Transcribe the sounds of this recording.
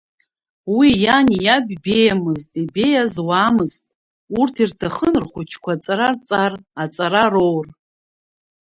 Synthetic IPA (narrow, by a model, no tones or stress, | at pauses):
wijanjabʲbe̞jamɨztʼibe̞jazwaːmɨztʼ | urtʰirtʰaχənrχʷʊt͡ʃʰkʷat͡sʼaɾart͡sʼarat͡sʼaɾaro̞wr